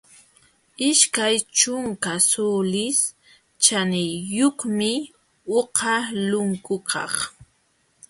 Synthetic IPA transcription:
ɪʃkajt͡ʃʊŋkasulɪs | t͡ʃanɪjːoχmɪ | oqɑlʊŋkʊkʰɑ̰χ

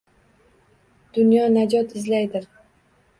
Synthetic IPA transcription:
d̪̥ʊnjɒnad͡ʒɒt̪ʰɪzlajd̪ɪɾ

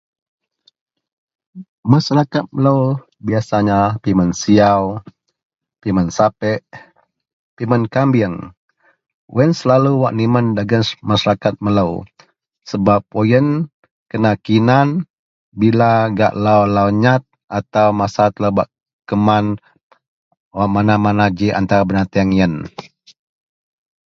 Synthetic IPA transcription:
masaɾakat̪̚mələw | biasaɲapimənsiaw | pimənsapɛʔ | pimənkambiəŋ | wɛnsəlaluwaʔniməndaɡənmasaɾakat̪̚mələw | səbap̚ojən | kənakinan | bilaɡa̰ʔlawlawɲat̪̚ʔat̪awmasat̪əlabaʔ | kəman | waʔmanamanad͡ʒiʔa̰nt̪aɾabənat̪iaŋjən

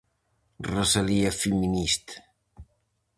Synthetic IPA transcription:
rəsaliəfiminist̪

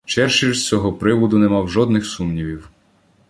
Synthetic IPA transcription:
t͡ʃɛrʃiɾst͡sʲɔɦɔpɾɪʋɔd̪ʊnɛmɑwʒɔd̪nɪxsumnʲiʋʲiw

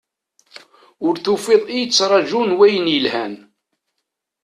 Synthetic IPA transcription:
ʊɾθufeðˤijt͡sːɾˤɑʒunwæjənjəlhæn

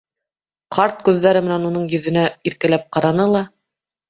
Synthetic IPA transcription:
qʰɑɾt̪̚kʉðːæɾɘmɘ̆nænunɤɴjɵ̆ðɘ̆næiɾkælæp̚qɑɾɑnɤlˠɑ

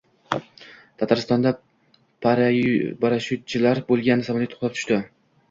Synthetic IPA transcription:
t̪ʰat̪ʰaɾɪst̪ɒnd̪a | pʰaɾabaɾaʃʊt̪̚t͡ʃʰɪlaɾbolˠɡʲanːɪsamalʲɪt̪ʰo̥χt̪ap̚t̪ʰʊ̥ʃʲt̪ɪ

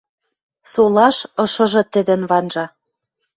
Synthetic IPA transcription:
solɑʃɤ̆ʃɤ̆ʒɤ̆t̪ɘ̆d̪ɘ̆nβɑnʒɑ

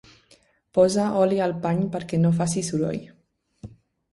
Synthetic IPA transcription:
pɔzaɔlialpaɲpəɾkɛnofasisuɾɔ̰j

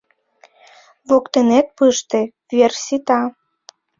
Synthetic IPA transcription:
βokt̪enet̪̚pɨʃt̪e | vʲersʲit̪ɑ

